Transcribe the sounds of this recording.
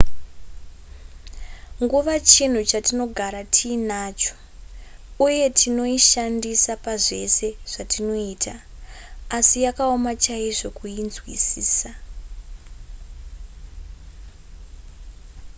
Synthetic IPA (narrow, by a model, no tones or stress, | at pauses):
ŋɡuʋat͡ʃin̤ut͡ʃatino̞ɡʱaɾatʰiːnaːt͡ʃo̥ | uje̞tʰino̞iʃandisapaʐe̞se̞ʐ̥atino̞iːtaː | sijakaomat͡ʃaiʐo̞kuinzwisiːsa